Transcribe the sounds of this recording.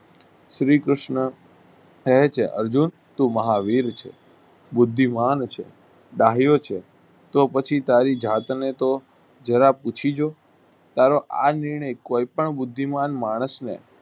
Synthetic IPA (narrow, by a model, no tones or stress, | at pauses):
ʃɾikɾʊʃɳə | əɦet͡ʃʰeʔə̰ɾd͡ʒun | t̪ũməɦaʋiɾt͡ʃʰḛ | bʊd̪ʱːimant͡ʃʰḛ | ɖaɦijot͡ʃʰe | t̪opət͡ʃʰit̪aɾid͡ʒat̪net̪o | d͡ʒəɾaput͡ʃʰid͡ʒo | t̪aɾoʔanɪɾɳ̃əjkoipəɳbʊd̪ʱːimanmaɽ̃əsnḛ